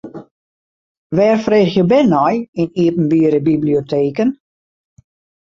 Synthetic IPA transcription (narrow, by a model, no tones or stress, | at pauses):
ʋɛːrfreːxjəbɛnɔjiniəpn̩biəɾəbibliotʰeːkən